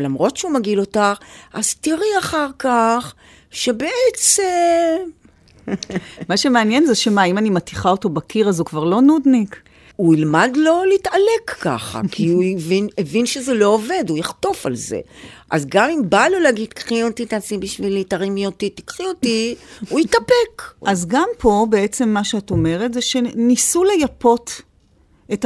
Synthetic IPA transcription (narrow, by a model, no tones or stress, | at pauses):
lamʁo̞tʃeumaɡilo̞taχʔaz̥tiʁiaχaʁkaχ | ʃebeʔet͡sem | maʃemeanjenzeʃemaimanimatiχaoto̞bakiʁazukvaʁlo̞nudnik | uilmadlo̞litale̞kːa̰χa̰kʰiuivinevinʃezelo̞ːve̞dujaχto̞fa̰lzḛʔa̰zɡamimbaloleaɡid̪kχiot̪it̪asibiʃvilitaʁimjotiti̥kχiotiuitapekʔazɡampʰo̞be̞e̞t͡se̞mːaʃeato̞me̞ʁetzeʃe̞nisule̞japo̞t | eta